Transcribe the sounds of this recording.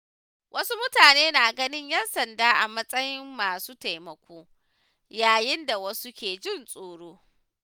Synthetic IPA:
wʔɐ˦su˦mʊ˦taː˨neː˦naː˨ɡɐ˦nɪ˦ɲjɐ˦nsɐ˨ndaː˦ʔa̰˨mɐ˦sʼɐ˦jɪ˦mːaː˨suː˦ta˨jmɐ˨kʷoː˦ | jaː˨jɪ˦nda˨wɐ˦su˦kʲeː˨d͡ʒɪ˦˨nsʼoː˨ɽoː˦

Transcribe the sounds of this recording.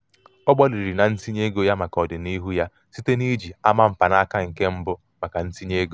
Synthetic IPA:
ɔ˦ɡ͡bɔ˦li˨ɾi˨na˨n̩˦si˦ɲe˦ɡo˦ja˦ma˨kɔ˨dɪ˨ni˦ɦu˦ja˦ | si˦te˦ni˦d͡ʒi˨a˦ma˦m̩˨pa˨na˦ka˦ŋ̩˨ke˦m̩˦bʊ˦ | ma˨ka˨n̩˦si˦ɲe˦ɡo˦

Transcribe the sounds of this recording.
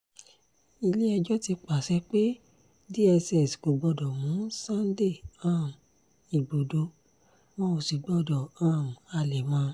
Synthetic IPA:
i˧le˦ɛ˧d͡ʒɔ˦ti˧k͡pa˨sɛ˨˦k͡pe˦ | di˦ɛ˧sɛ˦˨sɡo˨ɡ͡bɔ˧dɔ˨wũ˨˦sã˦n̩˦de˦˨ã˦˨ | i˨ɡ͡bo˨do˧˦ | mã˦o˧si˨ɡ͡bɔ˧dɔ˨ã˦˨a˧˨lɛ˨mãː˧˦˧

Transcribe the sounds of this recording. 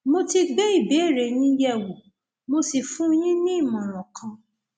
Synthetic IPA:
mo˧ti˧ɡ͡be˦i˦˨be˨˦e˦˨ɾe˨nĩ˦jɛ˦˨wu˨ | mo˧si˨fũ˦jĩ˦nĩ˦˨mã˨ɾ̃ɔ̃˨kã˧

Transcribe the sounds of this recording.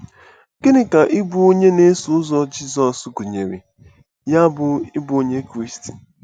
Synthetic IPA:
ke˦nɪ˦ka˨ʔɪ˦bu˨o˦ɲe˦ne˦sʊ˨˦zɔ˦d͡ʒi˦zɔ˨sɡu˨ɲe˨ɾḛ˨ | ja˦bʊ˨ɪ˦bʊ˨˦o˦ɲe˦kɾi˦sti̥˨

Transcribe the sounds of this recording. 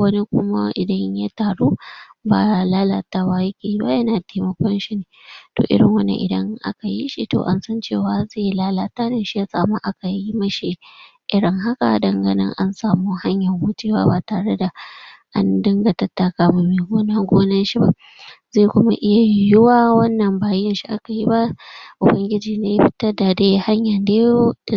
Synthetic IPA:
wɐ˦ni˦kʷʊ˦ma̰˦ʔɪ˨dɐ˦ɲja˦taː˨ɽuː˦baː˨laː˦laː˨taː˦wa˦jɐ˦kʲeː˨ji˦ba̰˦jɐ˦naː˨teː˦mɐ˦kʷɔ˦nʃi˦neː˨to̰ː˨ʔɪ̰˦ɽɪ̰˨ŋwɐ˦nḛ˦ʔɪ̰˨dɐ˦ŋʔa̰˦ka˨jḭ˦ʃi˦to̰ː˨ʔa̰˦nsɐ˦nt͡ʃeː˦˨waː˨˦zeː˦˨jlaː˦laː˦˨taː˦ne˦˨ʃi˦ja˦saː˨mu˦ʔa˦ka˨ji˦mɐ˦ʃi˦ | ʔɪ˦ɽɪ˦ŋɦa˦ka̰˨dɐ˨ŋɡɐ˨nɪ̰˦ŋʔa̰˦nsaː˨muː˦ha˦ɲjɐ˨ŋhʊ˦teː˦wa̰ː˦baː˨taː˨ɽe˦da˨ʔa̰˦ndɪ˦ŋɡa˨tɐ˦tːa˨kaː˦mʊ˨meː˨ɡoː˦na˦ɡʷoː˦nɐ˦nʃi˦ba̰˦ʔ | zeː˦˨kʷʊ˦ma˦ʔɪ˦ja˨jɪ˦waː˦wɐ˦nːɐ˨mbaː˨jɪ˦nʃi˦ʔa˦ka˨ji˦ba˦ʔʊ˨bɐ˦ŋɡʲɪ˦d͡ʒiː˨neː˦ji˦ɸɪ̥˦tɐ˦rda˨daː˦ha˦ɲjɐ˨ndeː˦jo̥˦˨

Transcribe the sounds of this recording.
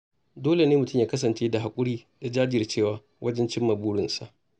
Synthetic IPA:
doː˦le˨neː˦mʊ˨tʊ˦mjaː˦kɐ˦s̬ɐ˨nt͡ʃeː˦da˨ɦa˨kʷʼʊ˦ɽiː˦ja˨d͡ʒaː˦d͡ʒɪ˦˨ɐ˨rt͡ʃeː˦˨waː˨ | wʔɐ˦d͡ʒɛ˦nt͡ʃɪ˦mːɐ˨buː˦ɽɪ˨nsa̰˦˨ʔ

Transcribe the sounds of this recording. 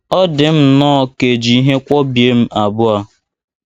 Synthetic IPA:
ɔ˦dɪ˨m̩˦˨nɔː˦˨ke˨d͡ʒi˨i˦ɦe˦kʷɔ˦bje˦m̩˦a˨bʊ˦a˦

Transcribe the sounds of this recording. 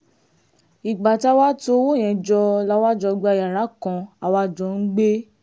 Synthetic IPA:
i˨ɡ͡ba˨ta˦wa˦to˧wo˦˨j̃ɛ̃˨˧˨d͡ʒɔ˧la˦wa˦d͡ʒɔ˧ɡ͡ba˧˨ja˨ɾa˨˦kã˧a˧wa˧˨d͡ʒɔ˧˦˨n̩˦ɡ͡be˦

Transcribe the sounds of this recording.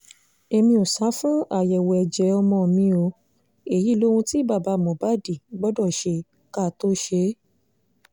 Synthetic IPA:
e˧mĩ˧o˨sa˨˦fũ˦a˦˨jɛ˨wɛ˨ɛ˨d͡ʒɛ˨˦ɔ˧mɔ̃˧˨mĩ˧o˧˦ | e˨ji˦˨lo˦wũ˧ti˦˨ba˦˨ba˧˦˨mɔ̃˨ba˨˦˨di˨ɡ͡bɔ˦dɔ˦˨ʃe˧ | ka˦˨to˦ʃe˧˦

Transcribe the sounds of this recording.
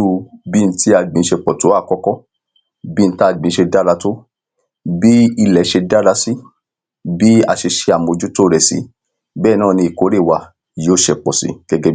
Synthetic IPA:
u˧bi˦˧n̩˦tʰi˦a˧ɡ͡bĩ˨˧ʃe˧k͡pɔ˨tu˨˦a˦˨kɔ˦kɔ˦ | bi˦n̩˦ta˦˨ɡ͡bĩ˨˧ʃe˧da˦ɾa˧to˦ | bi˦i˧lɛ˨˦ʃe˧da˦ɾa˧si˦ | bi˦a̰˧ʃe˧ʃe˧a˨mo˧d͡ʒu˦to˦ɾɛ˨sḭ˨˦ | bɛː˦˨nãː˦˨nĩ˧i˨ko˨˦ɾe˦˨wa˧ | joː˦ʃɛ˧k͡pɔ˨sḭ˨˦ɡ̥ɛ˦ɡɛ˧˦

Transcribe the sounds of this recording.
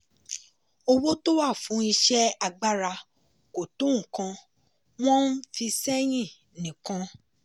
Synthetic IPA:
o˧wo˦to˦wa˦˨fũ˨˦i˧ʃɛ˦a˧ɡ͡ba˦ɾa˧ | ko˨to˨˦ŋ̩˨kã˧ | w̃ɔ̃˦n̩˦fi˧sɛ˦j̃ĩ˦˨ | nĩ˨kã˧

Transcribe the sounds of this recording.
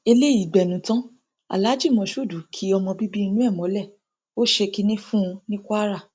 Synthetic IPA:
e˧le˦˨i˨ɡ͡bɛ˨nũ˨˦tã˦ | a̰˨la˨˦d͡ʒi˦˨mɔ̃˧ʃu˦˨du˨˦kʰi˨˦ɔ˧mɔ̃˧bi˦bi˦i˧nũ˦ɛ˦˨mɔ̃˨˦lɛ˦˨ | o˦ʃe˧ki˧nĩ˦fũ˦˧nĩ˦kʷa˦ɾa˦˨

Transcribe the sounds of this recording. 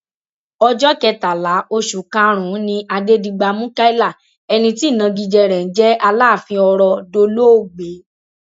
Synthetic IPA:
ɔ˧d͡ʒɔ˦kɛ˧ta˨la˨˦o˧ʃu˨kã˦ɾ̃ũ˨˦nĩ˧ʔa˧de˦dĩ˧ɡ͡ba˧mũ˦ka˦i˦la˦˨ | ɛ˧nĩ˧ti˦˨nã˧ɡi˧d͡ʒɛ˧ɾɛ˨n̩˨˦d͡ʒɛ˦a˧laː˦˨fĩ˧ɔ˧ɾɔ˧do˧lo˦o˦˨ɡ͡be˨˦

